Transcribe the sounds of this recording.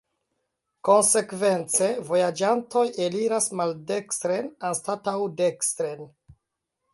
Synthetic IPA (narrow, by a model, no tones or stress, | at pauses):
ko̞nse̞kve̞nt͡se̞vo̞jad͡ʒanto̞jeliɾasmalde̞kstɾenanstatawde̞kstɾen